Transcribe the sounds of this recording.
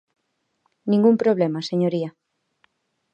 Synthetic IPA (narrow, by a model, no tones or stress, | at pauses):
nĩŋɡumpɾoβ̞lemaseɲoɾia